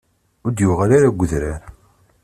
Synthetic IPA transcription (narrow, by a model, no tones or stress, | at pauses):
ʊɾd̪jʊʁaɾaɾaɡʷːəðɾaɾ